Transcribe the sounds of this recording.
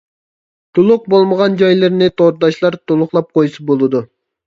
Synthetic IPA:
t̪ʰulˠʊq̚bolˠməʁɑnd͡ʒɑjlˠɨɾnɪt̪ʰoɾd̪ɑʃlˠɑɾt̪ʰolˠʊχlˠɑp̚qʰojsɑbolˠɨd̪u

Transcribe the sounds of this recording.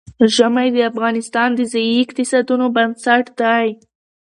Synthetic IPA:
ʒamajd̪əafɣɑnɪst̪ɑnd̪əzajiɪqt̪ɪsɑd̪unobansaʈd̪aj

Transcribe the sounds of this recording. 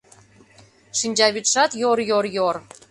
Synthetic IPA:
ʃinʲd͡ʑɑβit̪ʃɑt̪joɾjorjor

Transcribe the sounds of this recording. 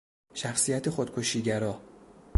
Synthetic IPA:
ʃæxsijæt̪ʰexod̪̥̚kʰo̞ʃiːɟæɾɒː

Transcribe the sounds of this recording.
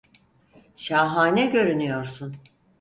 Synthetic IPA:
ʃaːɦaːnɛɟø̞ɾynyjo̞ɾsun

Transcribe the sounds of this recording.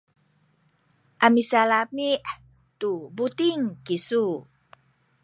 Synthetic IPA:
ʔamisalamiʔ | t̪ubut̪iŋkisu

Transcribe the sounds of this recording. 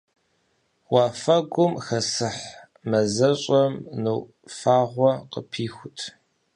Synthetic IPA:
wɑːfɐɡʷʊmxɐsɨħ | mɐzɐɕʼɐmnɨw | faːʁʷɔqəpʰiːxʷʊtʰ

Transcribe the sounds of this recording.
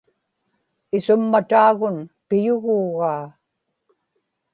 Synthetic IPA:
ɪsʊmːat̪aːɣʊnpɪjʊɣuːɣaː

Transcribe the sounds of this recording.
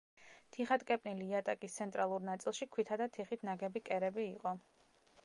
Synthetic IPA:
t̪ʰiχat̪kʼɛpʼniliːat̪ʼakʼist̪sʰɛnt̪ʼɾalˠuɾnat̪sʼilˠʃikʰwit̪ʰad̪at̪ʰiχit̪ʰnaɡɛbikʼɛɾɛbiːqʼɔ

